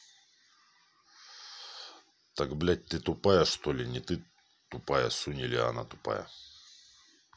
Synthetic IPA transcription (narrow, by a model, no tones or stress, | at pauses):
t̪akblʲat̚ʲt̪ɨt̪ʊpajəʂt̪olʲɪnʲɪt̪ɨ | t̪ʊpajəsunʲilʲɪa̰na̰t̪ʊ̥pa̰jə̰